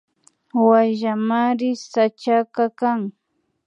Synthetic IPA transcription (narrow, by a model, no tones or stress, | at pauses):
waʒamaɾɪsat͡ʃakakaŋ